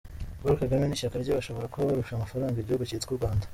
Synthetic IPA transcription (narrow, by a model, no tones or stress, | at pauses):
ɡuɾikaɡameniːʃakaɾɟoβaʃo̞βo̞ɾakoβaβaɾuʃamafaɾaːŋɡaiɟoːɡocet͡skuɾɡwaːndḁ